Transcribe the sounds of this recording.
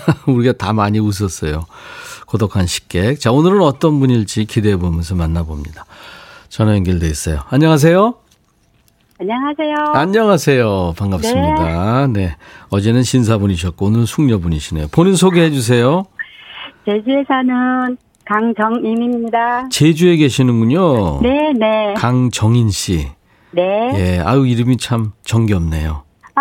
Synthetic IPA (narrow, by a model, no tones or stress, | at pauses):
uɾiɡatamaɲius̬ʰʌs͈ʌjokodokʰanɕʰi̥k͈e̞k̚t͡ɕaonɯɾɯnʌt͈ʌnbuɲiɭt͡ɕ͈ikidebomjʌnsʰʌmanːabomɲidat͡ɕʌnʌjʌŋɡiɭdeis͈ʌjoaɲːʌŋas̬ʰe̞jo | aɲʌŋasʰejoaɲːʌŋasʰe̞jopaŋɡapsɯmɲidane̞ʌd͡ʑe̞nɯnɕʰinsʰaboɲiɕ̬ʰʌt̚k͈onɯɾsʰuŋɲʌboɲiɕʰinejoponɯnsʰoɡeɦed͡ʑus̬ʰe̞jo | t͡ɕed͡ʑuesʰanɯn | kaŋd͡ʑʌŋimimimɲidat͡ɕe̞d͡ʑue̞ɡe̞ɕʰinɯnɡuɲone̞ne̞kaŋt͡ɕʌŋinɕ͈ḭ | nejea̰uiɾɯmit͡ɕʰamt͡ɕʌŋɡiʌmne̞̰jo